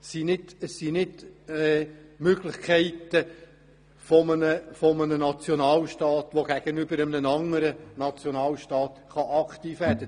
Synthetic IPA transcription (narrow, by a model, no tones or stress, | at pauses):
sinɪdəssinɪdɛmøɡ̥lɪχkʰɛɪt̪ə | fɔmənəfɔmənənɑt͡sjonɑːlʃtɑːt̪ʋoɡ̥æɡ̥ənʏbəɾəmnənɑŋəɾənɑt͡sjonɑːlʃtɑːt̪χɑʔɑkt̪iːfʋɛɾd̥ə